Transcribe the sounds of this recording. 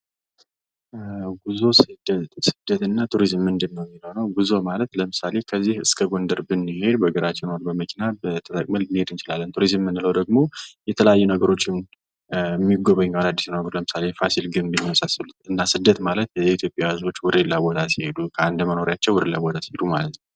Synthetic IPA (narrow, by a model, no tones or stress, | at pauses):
ɡuzo̞sɨd̪sɨ̥d̪ːət̪ɨnːat̪ʰuɾizmːɨnd̪ɨnːəwmːiləwnəwɡuzo̞malət̪ləmɨsale̞kʰəzːihɨskʰəɡo̞nd̪əɾbɨnːihe̞d̪bəɡəɾat͡ʃːɛnoɾbəməkʰinabət̪ʰət̪ʼəkʼməlnihe̞d̪ɨnt͡ʃɪlalːənt̪ʰuɾizmːɨnːɨləwd̪əɡmo̞jɛt̪ʰələjajːunəɡəɾo̞t͡ʃːɪn | mːiɡoβəɲːwalad̪ːisnaɡəɾləmɨsale̞fasilɡɨmbinːiwəsasɨlut̪ɨnːasɨd̪ːət̪malət̪ɛit̪ʰjo̞pʼjahɨzo̞t͡ʃːwʊɾɨlːabo̞t̪ʰasihe̞d̪ukʰəand̪məno̞ɾjat͡ʃːɛwʊɾɨlːabot̪ʰasi̥hed̪umalət̪nəw